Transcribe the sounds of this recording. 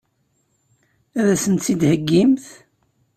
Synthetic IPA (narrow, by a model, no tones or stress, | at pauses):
æðæsənt̪θid̪həɡːimθ